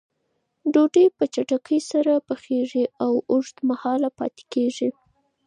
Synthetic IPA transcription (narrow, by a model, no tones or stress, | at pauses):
ɖoʈəjpət͡ʃaʈakʰəjsaɾapəxeʐiawʊʐd̪mahɑlapɑ̰t̪e̥keʐi